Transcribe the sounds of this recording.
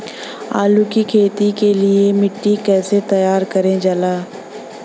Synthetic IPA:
aːlukikʰeːt̪ikeliemɪʈːikɛːset̪ɐjaːɾkɐɾẽd͡ʒalaː

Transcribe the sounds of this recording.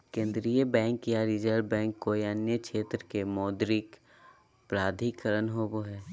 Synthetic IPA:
kẽːnd̪ɾiəbɛ̃ːŋkjaɾid͡ʒəɾɖbɛ̃ːŋkːojənjəkʃʰeːt̪ɾkemɔːd̪ɾɪk | pɾaːd̪ʱikəɾənɦoboɦɛː

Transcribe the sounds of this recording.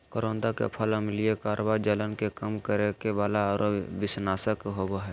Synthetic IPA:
kəɾõːnd̪akḛpʰələmliekaːɾʋaːid͡ʒələnkekəmkəɾekeʋaːlaɾoʋɪsnaːsəkɦoboɦɛː

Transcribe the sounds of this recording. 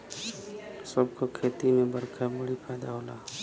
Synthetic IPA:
səbkokʰeːt̪imẽbəɾkʰabəɽipʰɛːd̪aɦoːlaː

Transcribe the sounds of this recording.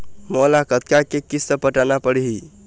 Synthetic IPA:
mɔlakət̪kakekisəpəʈanapəɽɦi

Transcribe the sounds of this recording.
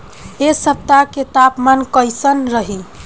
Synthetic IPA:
esəp̚t̪aket̪apmankəjsənɾəɦi

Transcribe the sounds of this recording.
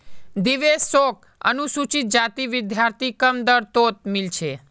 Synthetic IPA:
d̪iʋesok̚ | ə̰nusut͡ʃit̪̚d͡ʒat̪iʋɪd̪ʱjaɾt̪ʰikəmd̪əɾt̪ot̪̚milt͡ʃʰe

